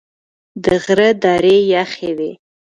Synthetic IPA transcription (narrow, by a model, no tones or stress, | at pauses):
dəʁɾədaɾejaχewe